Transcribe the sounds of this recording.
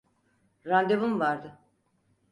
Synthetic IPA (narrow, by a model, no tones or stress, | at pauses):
ɾand̪evumvaɾd̪ɯ